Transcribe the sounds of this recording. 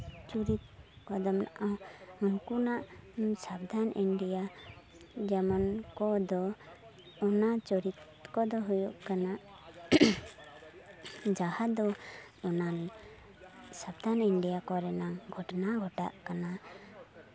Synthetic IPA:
t͡ʃuɾit̪̚kɔd̪ɔmna̰ʔaɦkunaʔsab̚d̪ʱaniɳɖija | d͡ʒamɔnkɔd̪ɔː | nat͡ʃɔɾit̪ | kɔd̪ɔɦujɔʔkana | d͡ʒahad̪ɔ | ɔnal | sabd̪ʱaniɳɖijakɔɾɛnaŋɡʱɔʈnaɡʱɔʈa̰ʔkana

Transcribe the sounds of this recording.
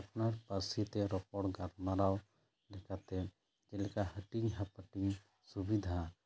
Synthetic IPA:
ɐpnaɾpəɾsit̪ɛɾɔkɔɽɡaɾmaɾaw | lɛkat̪ɛ | d͡ʒɛlɛkahəʈiŋɦapəʈiŋ | subid̪ʱa

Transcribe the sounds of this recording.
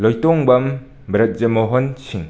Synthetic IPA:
lɔjtɔŋbɐm | bɾɐt̚zemɔɦɔnsiŋ

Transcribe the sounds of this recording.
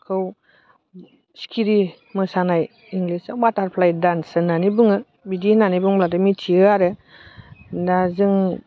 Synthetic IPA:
kʰɯw | skʰiɾi | mɯsanaj | iŋɡlisabataɾpʰlajdansɯnanibɯŋɯ | bidinanibɯŋblat̬ɯmitʰiɯaɾɯ | dazɯŋ

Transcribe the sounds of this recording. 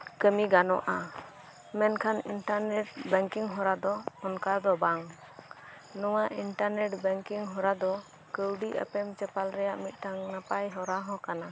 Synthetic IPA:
kəmiɡanɔ̰ʔa | mɛnkʰaninʈaɾnɛʈ̚bɛŋkiŋɦɔɾad̪ɔːnkad̪ɔbaŋ | nɔwaʔinʈaɾnɛʈbɛŋkiŋɦɔɾad̪ɔ | kəwɖiʔə̰pɛmt͡ʃɛpalɾɛjaʔmit̪̚ˀʈaŋnapajɦɔɾaɦɔ̃kana

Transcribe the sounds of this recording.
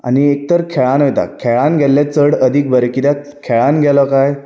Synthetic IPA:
a̰niek̚t̪əɾkʰɛɭãnʋet̪a̰kʰeɭãnɡʱɛlːẽt͡səɽəd̪ʱik̚bəɾekit̪a | kʰeɭãnɡʱɛlɔkaj

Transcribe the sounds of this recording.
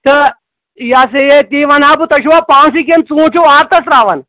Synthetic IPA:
t̪ə | jasejet̪iːʋɐnaːbut̪ɐʃuʋaːpãːsik̬ent͡sũːt͡ʃʰuaɾt̪ɐsɾaːʋɐn

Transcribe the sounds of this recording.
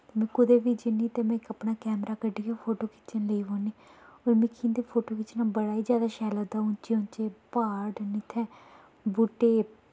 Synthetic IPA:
t̪emɛ̃ːkʊd̪eːʋiːd͡ʒɪniːt̪eːmɛ̃ːɪkəpnaːkɛːmɾaːkəɖiːɡapʰoːʈoːkɪ̥t͡ʃənləiːʋõːniːoːɾmɪkʰĩːnd̪eːpʰoːʈoːkɪt͡ʃnaːbəɽaːiːd͡ʒjaːd̪aːʃɛːlaːd̪aːʊnt͡ʃeʊ̃nt͡ʃeːpaːɖnɪt̪ʰɛ̃ː | buːʈeː

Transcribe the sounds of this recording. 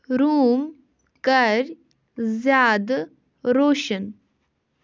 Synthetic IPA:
ɾuːm | kɐɾʲ | zjaːd̪ | ɾoːʃən

